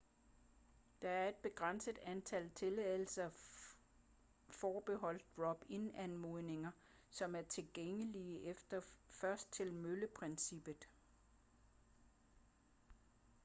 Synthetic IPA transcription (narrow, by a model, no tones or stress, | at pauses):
d̥ɑ̈æɐe̝d̥̚b̥e̝ɡ̥ʁɑn̰səð̥ænt͡sʰælt͡sʰe̝lɛð̰ˠl̩sɐ | fɒːb̥e̝ɦɒ̽l̰d̥̚ʁɒ̽b̥enænmo̝ðˠne̝ŋɐ | sɒ̽mæɐt͡sʰe̝lɡ̥eŋəliʔefd̥ɐfɶɐsd̥̚t͡sʰe̝lmøləpʰʁɛnsib̥ð̩ˠ